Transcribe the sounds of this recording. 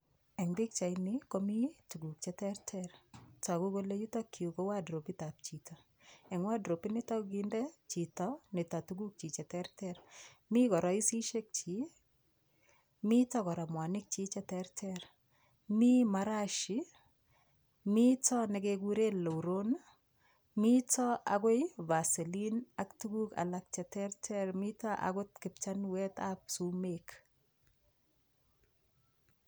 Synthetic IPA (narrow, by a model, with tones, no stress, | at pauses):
ɛ˨ŋbɪ˦k̚t͡ʃa˨ɪnɪ˦ko˦mi˦tu˨ɡu˨k̚t͡ʃɛ˦tɛɾtʰɛrta˨ku˦ko˦le˦ju˦tɔ˦kʰːi˨u˨ko˦wa˦dɾo˨pi˦ta˨p̚t͡ʃi˨tɔ˨ | ɛ˨ŋwa˦dɾo˨pi˦nɪ˦ta˦ɡi˦ndɛ˦t͡ʃi˨tɔ˦nɪ˨ta˨tuɡu˦k̚t͡ʃi˨t͡ʃɛ˨tɛ˦ɾtɛɾmi˦kɔ˨ɾɔ˨ɪ˦si˦ʃe˦k̚t͡ʃi˨ | mi˦tɔ˦kɔ˨ɾa˨mwa˨nɪ˦k̚t͡ʃi˦t͡ʃɛ˦tɛɾtʰɛɾ | mimaɾaʃi | mitɔnɛ˨keɡu˦ɾe˦lːo˨wɾon | mitɔaɡo˦jva˨se˨linaktuɡuka̰lak̚t͡ʃɛtɛrtʰɛɾmitaʔa̰ɡʊtkɪ˨p̚t͡ʃanwɛtap̚sumek